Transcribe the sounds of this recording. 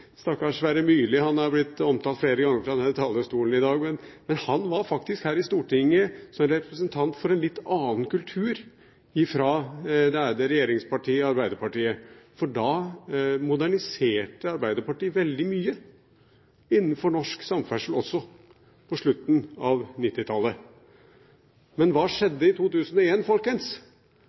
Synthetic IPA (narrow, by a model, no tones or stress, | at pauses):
st̪ɑkːɑʂʋæːɾəmyːlɪhɑnhɑɾblɪt̪ːɔmt̪ɑlt̪fleːɾəɡɑŋːəɾfɾɑd̪ɛnt̪ʰɑːləst̪uːln̩ɪd̪ɑːɡmɛnmɛnhɑnʋɑɾfɑk̚t̪ɪskhæːɾɪst̪uːʈɪŋːəsɔɾɛpɾəsənt̪ʰɑnt̪fɔɾɛnlɪt̪ːɑːnkʉlt̪ʰʉːɾ | ɪfɾɑd̪ɛæd̪əɾɛjeːɾɪŋspʰɑʈʰiːɑɾbæɪd̪əɾpɑʈiːəfɔɖɑ | mʊd̪æɳɪseːʈəɑɾbæɪd̪əɾpɑʈiːəʋɛld̪ɪmyːə | ɪnːn̩fɔɳɔʂksɑmfæʂəlɔsːɔ | pʰɔʂɭʉt̪ːn̩ɑʋnɪt̪ːɪt̪ʰɑlːə | mɛnʋɑːʂɛd̪ːəɪt̪ʰuːt̪ʉːsənɔeːnfɔlkəns